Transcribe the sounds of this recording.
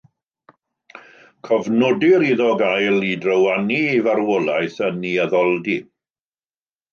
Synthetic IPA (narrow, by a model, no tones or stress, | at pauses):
kʰɔvnɔdɪɾiðɔɡajlˠidrəwaniːvaɾwɔlˠajθəniaðɔlˠdi